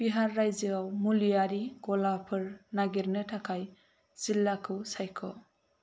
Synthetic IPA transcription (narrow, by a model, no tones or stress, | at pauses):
b̥iɦaɾːajzɯawmulijaɾiɡɔlapʰɯɾnaɡiɾnɯtʰakʰaj | z̥ilːakʰɯwsajkʰɔ̰